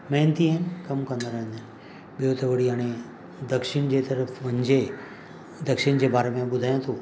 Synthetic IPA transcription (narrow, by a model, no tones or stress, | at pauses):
mɛ̃ɦnt̪iənɪkɐmkɐ̃nd̪əɾaɦnən | ɓijot̪ɐʋɐɽiaːɽ̃e | d̪ɐkʃɪɽ̃d͡ʑet̪ɐɾəfʰʋɐɲd͡ʑe | d̪ɐkʃɪɽ̃d͡ʑeːbaːɾemẽɓʊd̪ʱaːjãt̪ʰuː